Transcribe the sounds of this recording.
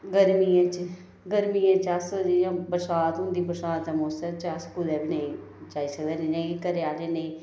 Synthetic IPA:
ɡəɾmiãːt͡ʃ | ɡəɾmiːãːt͡ʃasd͡ʒijãːbəɾsaːt̪ʊ̃nd̪iːbəɾsaːt̪ɛmoːsət͡ʃaskud̪ɛːbineĩː | t͡ʃaːiːsəkd̪eːnẽd͡ʒẽːkikəɾeaːleːnẽĩː

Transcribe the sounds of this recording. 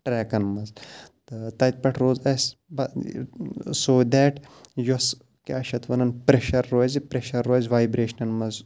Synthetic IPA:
ʈɾɛːkɐnmɐzt̪t̪ɐt̪̚ʲpɐʈʰɾoːzɐsbɐ | soːd̪ɛːʈjos | kʲːʃɐt̪ʰʋɐnɐnpɾeʃɐɾːoːzipɾeʃɐɾːoːzʲʋaːjbɾeːʃɐnɐnmɐz

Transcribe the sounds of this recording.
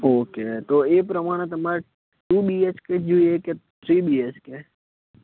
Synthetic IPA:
oːket̪oeːpɾəmaːɽ̃et̪̬ɐmaɾe | ʈuːbiet͡ʃked͡ʒuieket̪ʰɾiːbiet͡ʃke

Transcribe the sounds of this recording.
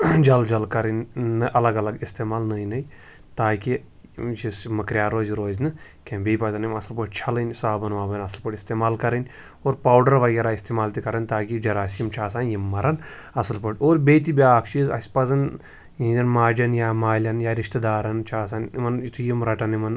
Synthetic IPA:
d͡ʒɐld͡ʒɐlkɐɾɨnʲːɨʔɐlɐɡɐlɐɡist̪eːmaːlnɐjnɐj | t̪aːki | t͡ʃismɐkɾʲjaːɾoːzʲɾoːzʲnɨ | kʲʰẽbʲeːpɐzɐnimɐsɐlpɐʈʰʲt͡ʃʰɐlɐnʲsaːbɐnʋaːbɐnɐsɐlpɐʈist̪eːmaːlkɐɾɐnʲ | oːɾpaːwɖɐɾʋɐɡʲeːɾaːist̪eːmaːlt̪ikɐɾɐnʲt̪aːkid͡ʒɐɾaːsiimt͡ʃʰaːsaːnjimːɐɾɐnɐsɐlpɐʈoːɾbʲeːt̪ibʲaːkʰt͡ʃʰiːzɐ̰sʲpɐzɐn | jĩnzʲɐnmaːd͡ʒɐnjaːmaːlʲɐnjaːɾiʃt̪ɐd̪aːɾɐnt͡ʃʰaːsaːnmɐnit̪ʰujimɾɐʈɐnimɐn

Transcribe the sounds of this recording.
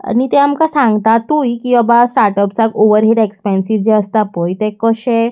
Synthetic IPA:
a̰nit̪eamkasãŋɡt̪at̪ujkiɔbasʈaɾʈəpsakoʋəɾɦiʈekspensid͡ʑeəst̪apojt̪ekəɕe

